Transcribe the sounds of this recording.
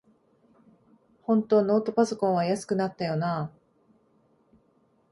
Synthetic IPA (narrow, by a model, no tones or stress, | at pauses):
hõ̞nt̪o̞ːno̞ːt̪o̞paso̞kõɰ̃βajasɨ̥kɯ̟nat̪ːajo̞naː